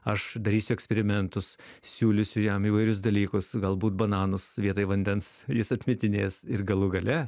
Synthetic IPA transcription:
ɐʃd̪ɐɾʲiːsʲʊɛksʲpʲɛɾʲɪmʲɛnt̪ʊs | sʲuːlʲɪsʲʊjɛmiːʋɐɪɾʲʊsd̪ɐlʲiːkʊsɡɐlˠbuːt̪̚bɐnɑːnʊsʋʲiɛt̪ɐɪʋɐnʲd̪ʲɛnsjɪsɐt̪ʲmʲɪt̪ʲɪnʲeːsɪrɡɐlˠʊɡɐlʲɛ

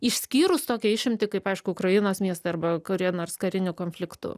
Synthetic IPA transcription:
ɪʃʲsʲkʲiːɾʊst̪oːkʲiɛɪʃʲɪmʲt̪ʲɪkɐɪpɐɪʃkʊʊkɾɐjɪnoːsmʲiɛst̪ɐɪɐɾbɐkʊɾʲiɛnoːrskɐɾʲɪnʲʊkoːnʲfʲlʲɪkt̪ʊ̰

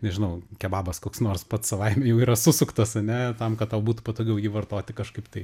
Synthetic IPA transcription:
nʲɛʒʲɪnɐʊkʲɛbɑːbɐskoːksnoːrspɐt̪ssɐʋɐɪmʲɛjɛʊiːɾɐsʊsʊkt̪ɐsɐnʲɛt̪ɐmkɐt̪̚t̪ɑʊbuːt̪ʊpɐt̪oːɡʲɛʊjiːʋɐrt̪oːt̪ʲɪkɐʃkɐɪpt̪ɐɪ

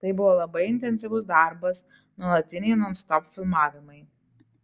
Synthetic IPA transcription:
t̪ɐɪbʊʋoːlˠɐbɐɪɪnʲt̪ʲɛnʲsʲɪʋʊsd̪ɑɾbɐs | nuɔlˠɐt̪ʲɪnʲɛɪnɔnst̪ɔpfʲɪlˠmɑːʋʲɪmɐɪ

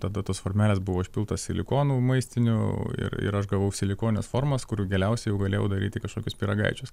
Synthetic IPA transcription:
t̪ɐd̪ɐt̪oːsfoːɾʲmʲæːlʲeːsbʊʋoːɪʃʲpʲɪlˠt̪osʲsʲɪlʲɪkoːnuːmɐɪsʲt̪ʲɪnʲʊ̰ɪ̰ɾɪ̰ɾɐʃɡɐʋɐʊsʲɪlʲɪkoːnʲɪnʲḛsfoːɾmɐskʊɾɡʲɛlʲɛʊsʲɛɪjɛʊɡɐlʲeːjɛʊd̪ɐɾʲiːt̪ʲɪkɐʃkoːkʲʊspʲiɾɐɡɐ̰ɪt͡ʃʲʊs

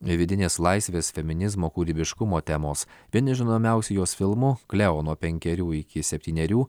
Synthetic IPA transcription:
ʋʲɪd̪ʲɪnʲeːslˠɑɪsʲʋʲeːsfʲɛmʲɪnʲɪzmoːkuːɾʲibʲɪʃkʊmoːt̪ʲɛmoːsʋʲiɛnʲɪʒʲɪnoːmʲæˑʊsʲɛjoːsfʲɪlˠmʊklʲɛoːnuɔpʲɛŋʲkʲɛɾʲuːɪkʲɪsʲɛpʲt̪ʲiːnʲɛɾʲuː

